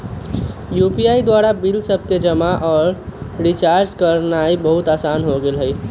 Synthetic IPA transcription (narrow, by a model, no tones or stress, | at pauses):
jupijaid̪waɾabilsəb̚ʱked͡ʒəmaʔɔːɾɾit͡ʃaɾd͡ʒkəɾnaibəɦut̪aːsanɦoɡelɦəi